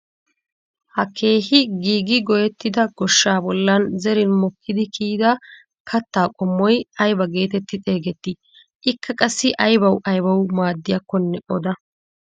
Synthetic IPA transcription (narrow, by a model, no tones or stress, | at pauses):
hɐkʰe̞ːhɪɡiːɡɪɡɔjɛt̪ːɪd̪ɐɡ̥ɔʃːaːbɔlːɐnzɛɾɪnmɔkːɪd̪ɪkʰiːd̪ɐ | kʰɐt̪ːaːkʼɔmːɔjɐjbɐɡe̞ːt̪ɛt̪ːɪt̪ʼe̞ːɡɛt̪ːɪ | ʔɪkːɐkʼɐsːɪʔɐjbɐwʔɐjbɐwmaːd̪ːɪjɐkːɔnːɛʔɔd̪ɐ